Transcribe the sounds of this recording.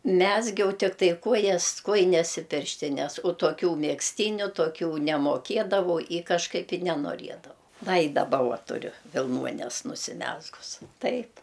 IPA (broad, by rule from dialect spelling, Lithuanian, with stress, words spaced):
ˈmʲæːzʲɡʲɛʊ ˈtʲɪktɐɪ ˈkoːjɛs ˈkoːjɪnʲɛs ɪ ˈpʲɪrʲʃʲtʲɪnʲɛs oː toːˈkʲuː mʲɛksʲˈtʲiːnʲʊ toːˈkʲuː nʲɛmoːˈkʲeːdɐʋɐʊ ɪ kɐʃˈkɐɪp ɪ nʲɛnoːˈrʲiɛdɐʋɐʊ ˈʋɐ ɪ dɐˈbɐ ˈʊɐ tʊˈrʲʊ ʋʲɪlˠˈnuɔnʲɛs nʊsʲɪˈmʲæːzɡʊs ˈtɐɪp